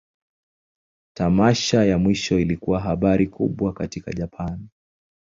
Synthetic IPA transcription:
tamaʃajamwiʃɔilikuwaɦaɓaɾikʰuɓwakatika̰ʄapʰani

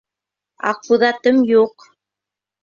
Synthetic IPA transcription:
ɑ̰quðɑt̪ɤmjuq

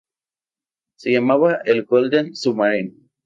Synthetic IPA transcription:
sejamaβaelɡold̪ensumaɾin

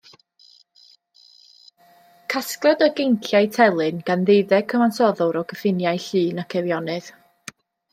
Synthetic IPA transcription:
kʰasklˠɔdəɡejnɬjajtʰɛlˠɨnɡ̥anðejðɛkʰəmansɔðɔɾɔɡəfɪnjajɬɨːnakʰɛvjɔnɨð̥

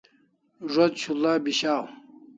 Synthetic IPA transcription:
ʐod̪ɕʰulaːbiɕaːw

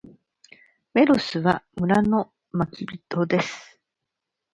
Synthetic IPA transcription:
me̞ɾosɨβamɯ̟ɾano̞ | makʲibʲit̪o̞d̪e̞sɨ̥

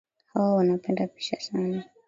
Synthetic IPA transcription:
hawawanapɛndapi̥ʃasana

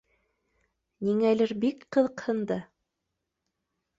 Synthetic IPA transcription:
niŋælɘɾbikqɤ̆ðɤ̆qhɤ̆nd̪ɑ

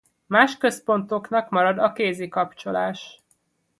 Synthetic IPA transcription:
maːʃkø̞spo̞nt̪o̞knɒkmɒɾɒd̪ɒkeːziːkɒpt͡ʃo̞laːʃ

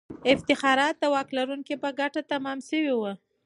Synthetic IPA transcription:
ɪft̪ɪxɑɾɑt̪̚d̪əwɑklaɾuŋkipəɡaʈat̪amɑmsəwiwə

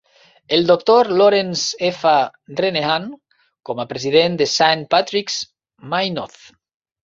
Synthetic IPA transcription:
eld̪ok̚t̪oɾloɾensefareneaŋ | komapɾeziðend̪esanpat̪ɾiks | majnoθ

